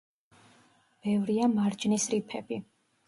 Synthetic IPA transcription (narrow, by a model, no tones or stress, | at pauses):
b̥ɛvɾiamaɾd͡ʒnisɾipʰɛbi